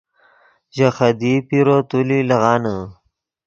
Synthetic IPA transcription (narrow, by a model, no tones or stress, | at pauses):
ʒaxad̪ipiɾot̪ulilɐɣɑːnə